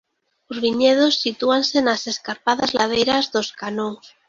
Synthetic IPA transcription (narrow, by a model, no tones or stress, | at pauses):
ozβiɲeð̞osːit̪uansenase̞skaɾpaðazlað̞ejɾazðoskanoŋs